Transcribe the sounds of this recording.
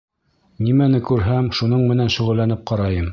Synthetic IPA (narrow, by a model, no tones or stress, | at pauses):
nimænɘkʉɾɦæmʃunɤɴmɘ̆nænʃŭʁɤ̆lːænɘp̚qɑɾɑjɤm